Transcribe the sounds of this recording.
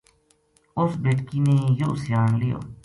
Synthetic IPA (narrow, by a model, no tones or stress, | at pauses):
ʊsbeːʈkiːneːjoːsjaːnlɪjo̰ː